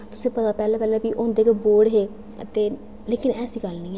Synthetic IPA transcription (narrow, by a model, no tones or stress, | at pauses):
t̪ʊsẽːpət̪aːpɛːlãːpɛːlɛːbiːʔõːnd̪eːkːboːɽɦeː | t̪eː | leːkɪnɛːsiːɡəlnĩːɛ